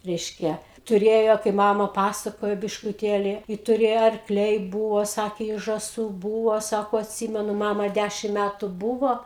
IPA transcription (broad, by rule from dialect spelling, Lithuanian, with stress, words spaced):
ˈrʲɛɪʃʲkʲɛ tʊˈrʲeːjoː kɐɪp ˈmɑːmɐ ˈpɑːsɐkoːjoː bʲɪʃkʊˈtʲeːlʲɪ ɪ tʊˈrʲeːjoː ɐrkˈlʲɛɪ ˈbuːʋoː ˈsɑːkʲeː ɪ ʒɐˈsuː ˈbuːʋoː ˈsɑːkoː ɐtʲˈsʲɪmʲɛnʊ ˈmɑːmɐ ˈdʲæʃʲɪm ˈmʲætʊ ˈbuːʋoː